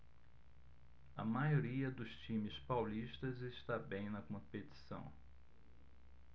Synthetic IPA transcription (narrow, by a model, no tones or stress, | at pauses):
ɐmajoɾiɐd̪ʊst͡ʃĩmɪspawliʃt̪ɐzɪst̪abẽj̃nɐkõpet̪i̥sɐ̰̃w̃